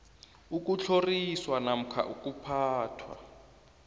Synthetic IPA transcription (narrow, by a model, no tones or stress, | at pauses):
uk̬ʼut͡ɬʰoriswanam̩kʰa̰ʔuk̬ʼupʰaːtʰwa̰